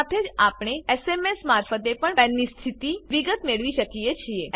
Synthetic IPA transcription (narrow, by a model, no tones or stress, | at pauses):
t̪ʰed͡ʒapɳ̃eesemesmaɾfət̪epəɳɛnːist̪ʰit̪iʋiɡət̪meɭʋiʃəkiet͡ʃʰie